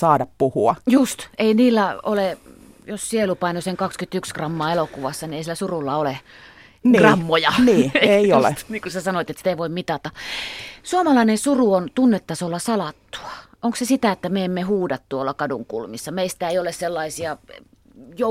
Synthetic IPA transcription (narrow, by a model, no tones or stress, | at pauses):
sɑːdɑppuhuɑjust̪einiːlːæo̰le | jossielupɑinoseŋkɑkskyt̪ykskrɑmːɑːelokuʋɑsːɑnieisilːˑæsurulːɑole | nɡ̥rɑmːojɑnieeiolḛniːŋkusæsɑnoit̪et̪sit̪æiʋoimmit̪ɑt̪ɑ | suomɑlɑinensuruont̪unːet̪ːɑsolːɑsɑlɑt̪ːu̥ɑ̥ʔoŋksesit̪æet̪ːæmeemːehuːdɑt̪t̪uolːɑkɑduŋkṵlmisːɑmeist̪æeiolesselːɑisiɑ | jo